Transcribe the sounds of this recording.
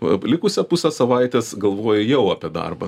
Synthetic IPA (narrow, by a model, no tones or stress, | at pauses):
ʋɐ̰lʲɪkʊsʲɛpʊsʲɛsɐʋɐɪt̪ʲeːsɡɐlˠʋoːjʊjɛʊɐpʲiɛd̪ɐ̰rbɐ